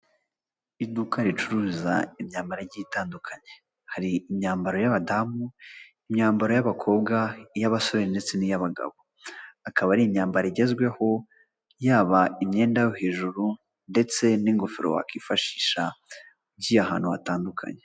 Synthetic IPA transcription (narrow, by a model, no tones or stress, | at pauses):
idukaɾit͡ʃuɾuːza̰imɲaːmbaɾaɾɟitaːndukʰaɲe̞ | haɾiːmɲaːmbaɾo̞jaβadamu | imɲaːmbaɾo̞jaβakʰo̞ːbɡajaβaso̞βeɾnde̞t͡se̞nijaβaɡa̰βo | akaβaɾiimɲaːmbaɾaiɟe̞zɡwe̞ho̞ | jaːβaimɲe̞ːndajohe̞ːʒuɾu | nde̞t͡se̞niŋɡo̞fiɾo̰wa̰kiːfaʃi̥ːʃa | uɟiːaɦa̰ːn̥hua̰taːndukʰa̰ɲe